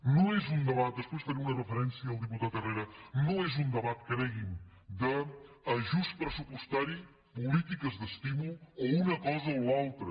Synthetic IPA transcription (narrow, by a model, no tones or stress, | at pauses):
nõw̃ɛzund̪əβat̪̚d̪əspojzfɐɾiunɐrəfəɾɛnsjɐːlˠd̪iput̪at̪ərejɾɐnõw̃ɛzund̪əβat̪̚kɾɛɣid̪əː | ʒust̪̚pɾəsupust̪aɾi | pulit̪ikɐzðəst̪imuluounɐkɔzɐoalˠt̪ɾɐ